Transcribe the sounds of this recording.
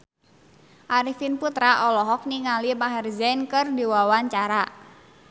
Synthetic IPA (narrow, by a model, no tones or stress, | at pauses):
ʔaɾifinput̪ɾaʔɔlɔɦɔk̚niŋalimaɦɛrzɛnkərdiwawaɲt͡ʃaɾa